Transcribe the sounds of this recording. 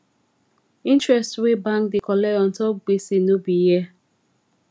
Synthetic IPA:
ĩntɹɛstwebãŋkdikɔlɛɔ̃ntɔɡ͡besinobijɛ

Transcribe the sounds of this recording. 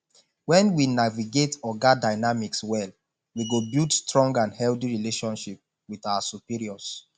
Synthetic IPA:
wɛ̃nwinaviɡetɔɡadaɪnamikswɛl | wiɡobildstɹɔ̃ŋɡãnhɛlθiɹileʃɔ̃nʃip̚ | wiθawasupiɹiɔs

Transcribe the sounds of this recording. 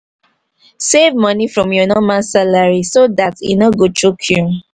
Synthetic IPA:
sevmɔnifɹɔ̃mjɔnɔmãsalaɹisodatḭnɔɡotʰɹukʰju

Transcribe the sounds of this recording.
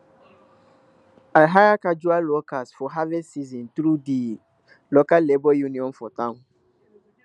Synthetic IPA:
alɦajakad͡ʒualːokasfɔɦavɛsːizĩntɾudi | lokalːebɔjunĩɔ̃nfɔtãʊ̃n

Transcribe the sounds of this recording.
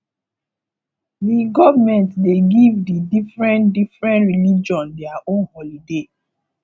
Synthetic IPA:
diɡɔvamɛ̃ntdeɡivdidifɹɛ̃ntdifɹɛ̃ntɹilid͡ʒɔ̃ndɛaʔõnhɔlide

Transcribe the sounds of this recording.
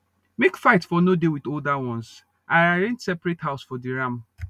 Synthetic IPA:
mekfaɪtfɔnodewiθoldawɔ̃ns | aaɾẽntsɛpɾethaʊsfɔdiɹãm

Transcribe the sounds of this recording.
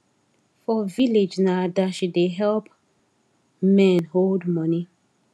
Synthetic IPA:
fɔviled͡ʒnadaʃideɦɛlp | mɛ̃nholdmɔni

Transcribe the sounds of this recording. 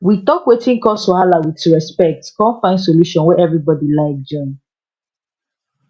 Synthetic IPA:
witɔkwetĩŋkɔsɔhalawituɹɛspɛk̚tkɔ̃nfãɪ̃nds̬oluʃɔ̃nwɛɛvɹibɔdilaɪk̚d͡ʒɔ̃m

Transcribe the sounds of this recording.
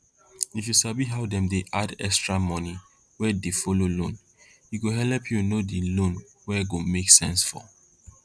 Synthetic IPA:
ifjusabiɦawdɛ̃mdeʔadɛkstɹamɔ̃ni | wɛdefololõn | iɡoɦɛlɛpʰjunodilõn | wɛɡomeksɛ̃nsfɔ̰

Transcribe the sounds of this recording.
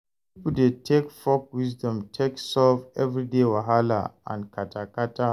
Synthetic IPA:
pipuldetʰekfɔk̚wisdɔ̃mtʰeksɔvɛvɹidewaɦala̰ã̰nkʰatʰakata

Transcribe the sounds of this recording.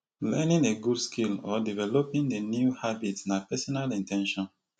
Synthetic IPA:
lɛnĩneɡudskʰilɔdivɛlopĩndenjuhabitsnapɛsɔnalĩntɛ̃nʃɔ̃n

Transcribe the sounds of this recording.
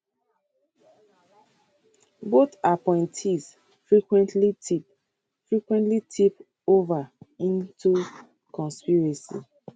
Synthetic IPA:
bot̪apɔ̃ɪ̃ntʰiz | fɹikwɛ̃ntʰlitip | fɹikwɛ̃ntlitʰip | ovaĩntʰu | kɔ̃nspiɹasḭ

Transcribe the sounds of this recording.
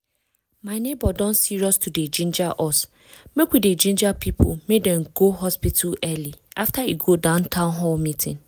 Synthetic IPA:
mãɪnebɔdɔ̃nsiɾɔstʰuded͡ʒĩnd͡ʒaʔɔs | mekʷided͡ʒĩnd͡ʒapʰipʰo̰mẽdɛ̃ŋɡoɦɔspitʰulɛliʔaftʰaiɡodãʊ̃ntʰãʊ̃nɦɔlmĩtʰɪ̰̃n

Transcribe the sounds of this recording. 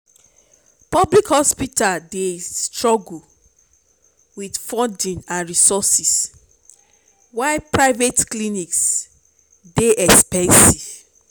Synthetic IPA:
pɔblikhɔspitaldestɹɔɡu | widfɔ̃ndĩnãnɹisɔsis | waɪpɹaɪvetkliniks | deʔɛkspɛ̃nsiv̥

